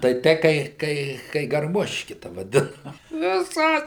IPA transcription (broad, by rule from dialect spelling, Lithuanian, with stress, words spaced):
tɐɪ ˈtʲɛɪ kɐɪ ˈkɐɪ kɐɪ ɡɐrˈmoːʃʲkʲɪ tɐ ʋɐˈdʲɪnɐ ʋʲɪˈsɐ